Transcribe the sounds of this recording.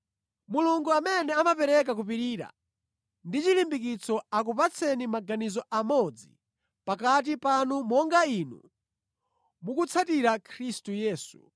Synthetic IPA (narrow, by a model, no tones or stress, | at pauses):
muluŋɡuamɛnɛamapɛɾɛk̬ak̬upiɾiːɾa̰ | ndit͡ʃilimbik̬it͡sʰɔak̬upat͡sʰɛnimaɡanizɔʔamɔd͡zḭ | pakat̬ipanumɔŋɡainṵ | mukut͡sʰatiɾakʰɾistujɛːsu̥